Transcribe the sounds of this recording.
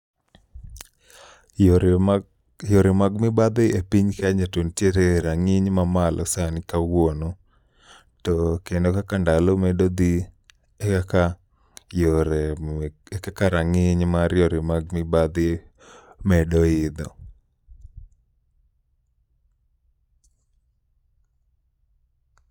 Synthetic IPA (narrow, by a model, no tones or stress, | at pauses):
jɔɾemaɡmɪbad̪ɪʔepiɲkaɲatontjeɾeɾaŋɪɲmamalʔɔ̰sanɪkawono | tɔkendokakandalɔmɛdod̪i | ekaka | joɾeekakaɾaŋɪɲmaɾjoɾɪmaɡ̚mɪbad̪ɪ | mɛdɔɪd̪ɔ̰